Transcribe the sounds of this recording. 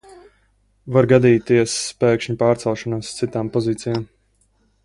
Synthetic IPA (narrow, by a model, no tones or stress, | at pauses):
vaɾɡad̪iːt̪iɛsːpɛːkʃɲupaːɾt̪sɛlˠʃɔnaːst̪sit̪aːmpɔziːt̪sijaːm